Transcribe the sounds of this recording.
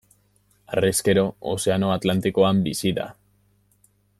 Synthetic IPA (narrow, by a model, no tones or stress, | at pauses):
areske̞ɾo̞o̰se̞ano̞at̪lant̪iko̞ambisiða̰